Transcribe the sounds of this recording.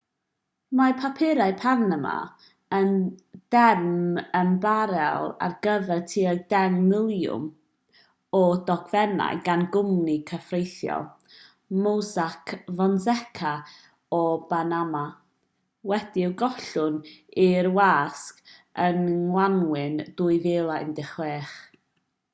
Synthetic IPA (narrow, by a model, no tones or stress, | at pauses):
mapʰapʰɪɾaɨpʰarnəma̰ | ənd̥ɛrmənbaɾɛ̰lˠa̰rɡəvɛrtʰiːdɛŋmɪlˠjʊ̰m | ɔdɔɡʰvɛna̰jɡanɡʊmnikʰəfrejθjɔ̰lˠ | mowsakʰvɔnzɛkʰa | ɔbanama | wɛd̥iɪwɡɔɬʊnirwaːskənwanwɪnd̥uːɨveːlˠaɪ̰ndɪχleːχ